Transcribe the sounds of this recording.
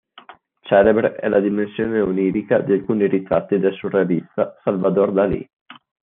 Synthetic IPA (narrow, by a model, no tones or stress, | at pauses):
t͡ʃɛːlebɾeʔɛlad̪imensjoːneuniːɾikad̪ialkuːniɾit̪ɾa̰t̪ːid̪elsurevist̪asalvad̪ord̪alḭ